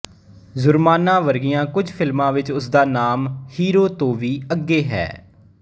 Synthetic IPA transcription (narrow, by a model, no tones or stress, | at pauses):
zʊɾmaːnãːʋəɾɡɪjãːkʊd͡ʒʱpʰɪlmãːʋɪt͡ʃʊsd̪aːnaːmhiːɾoːt̪õːʋiːəɡːeːɦɛ̰ː